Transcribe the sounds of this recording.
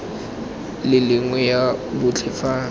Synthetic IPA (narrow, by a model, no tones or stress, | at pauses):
lɪlɪŋwɛjabʊt͡ɬʰɪfaː